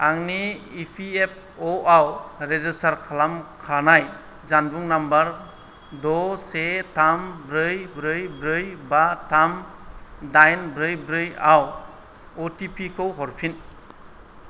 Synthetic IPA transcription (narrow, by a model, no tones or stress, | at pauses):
aŋniːpʰiep̚ʰ | oawɾezistʰaɾkʰalamkʰanaj | zanbuŋnambaɾ | dɔsetambɾɯjbɾɯjbɾɯjbatʰam | dajnbɾɯjbɾɯjaw | otipʰikʰowɦɔɾpʰin